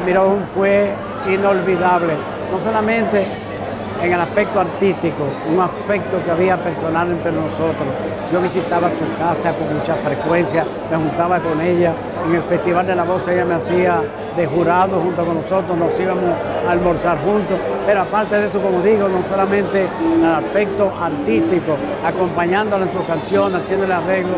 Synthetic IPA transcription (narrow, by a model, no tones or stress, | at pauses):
miɾouɱfwe | ino̞lβiðaβle | nos̬o̞lamẽnt̪e̞ː | ŋe̞laspe̞k̚t̪oaɾt̪ist̪ikouŋafe̞k̚t̪okeaβiape̞ɾso̞nalent̪ɾenoso̞t̪ɾos | ɟ͡ʝo̞βisit̪aβasukasakoŋmut͡ʃafɾe̞kwe̞nsja | me̞hunt̪aβako̞ŋe̞ʎa | eŋe̞lfe̞st̪iβald̪e̞laβo̞seʎameasia | ðe̞ɦuɾaðohunt̪oko̞ŋnoso̞t̪ɾosnosiβamos | aːlmoɾsaɾxunt̪ospe̞ɾoapaɾt̪e̞ðesoko̞moðiɣonosolamẽnt̪e̞alaspe̞k̚t̪oʔaɾt̪ist̪iko | ako̞mpaɲãnd̪oloensuskansjo̞nesasje̞nd̪oleare̞ɣlo